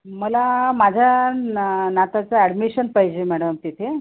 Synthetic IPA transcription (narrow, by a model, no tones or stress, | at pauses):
məlamad͡ʑʱja | nat̪at͡səɛɖmiɕənpaɦid͡ʑemæɽəmt̪it̪ʰe